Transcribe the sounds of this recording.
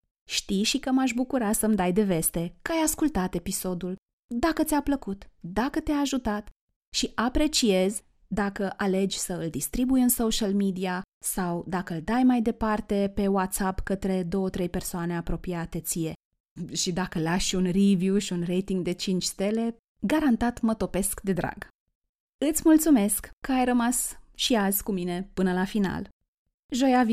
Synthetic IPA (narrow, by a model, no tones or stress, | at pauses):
ʃt̪ijʃikəmaʃ̬bukuɾasəmd̪ajd̪e̞ve̞st̪e̞kəajaskult̪at̪e̞piso̞d̪ul | d̪akət̪ʲapləkut̪d̪akət̪eaːʒut̪at̪ | ʃiʔapɾe̞t͡ʃie̞z | d̪akəʔale̞d͡ʒʲsəɨld̪ist̪ɾibujɨnso̞ʃalmid̪iasawd̪akəɨld̪ajmajd̪e̞part̪e̞pe̞wat̪sapkət̪ɾe̞d̪o̞wət̪ɾe̞jpe̞rsoane̞apɾo̞piat̪e̞t̪sije̞ | ʃid̪akəlaʃunrivjuʃiunre̞jt̪iŋɡd̪e̞t͡ʃint͡ʃst̪e̞le̞ | ɡaɾant̪at̪mət̪o̞pe̞skd̪e̞d̪ɾa̰ɡ | ɨt̪sʲmult̪sume̞skːəajrəmasʃiazkumine̞pɨnəlafina̰l | ʒo̞jav